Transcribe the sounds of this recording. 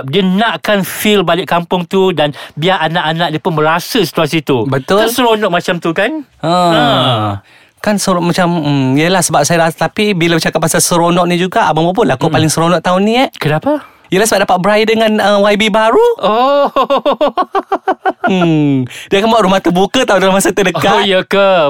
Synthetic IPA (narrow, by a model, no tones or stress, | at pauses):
diənãʔkanfilbalɪʔkampʊŋt̪udanbiaʔanaʔanãʔ̚diəpʊnbəɾasəsi̥t̪uas̬it̪ubət̪ʊlsəɾonɔʔ̚mat͡ʃamt̪ukanʔə̃ | kansəmat͡ʃam̩jəlahsəbap̚sajadat̪apibilabət͡ʃakatp̚masalsəɾonɔʔnid͡ʒuɡaʔababap̬ʊnlakopalɪŋsəɾonɔʔt̪aʊnĩaʔkənapa | ijəlahsəbap̚dapat̪̚bəɾaidəŋãnəwajbibaɾuo | diakanmaaʔɾumaht̪ubukət̪aundalamasət̪ədəkat̪jəkə